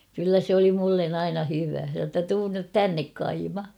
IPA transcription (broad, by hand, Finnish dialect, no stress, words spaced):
kylːæ sĕ oli mulːen ɑinɑ hyʋæ se sɑ tːɑ tuːn nyt tænːek kɑimɑ